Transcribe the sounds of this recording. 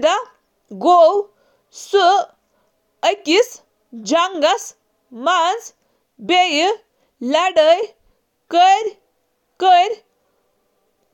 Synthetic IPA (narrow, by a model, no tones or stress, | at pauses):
d̪a | ɡow | su | əkis | d͡ʑaŋɡas | mand͡z | bej | laɽəj | kəɾʲ | kəɾʲ